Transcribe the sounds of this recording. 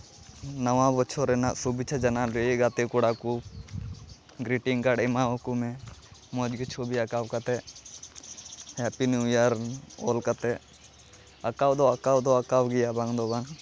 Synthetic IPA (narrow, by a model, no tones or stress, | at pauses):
nəwãbɔt͡ʃʰɔɾɛnaʔsubit͡ʃʰad͡ʒanalueɡat̪ɛkuɽaku | ɡɾiʈiŋkaɽɛmaɔkumɛ̃mɔd͡ʒɡit͡ʃʰobiakawkat̪ɛ | hapinujaɾɔ̰lkat̪ɛ | akawd̪ɔakawd̪ɔakawɡijabaŋd̪ɔbaŋ